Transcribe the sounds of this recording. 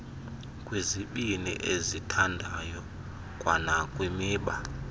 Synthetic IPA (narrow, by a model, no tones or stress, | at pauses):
kʼweziɓinḭʔezitʰandʱajɔ | kʼwanakʼwimiːɓa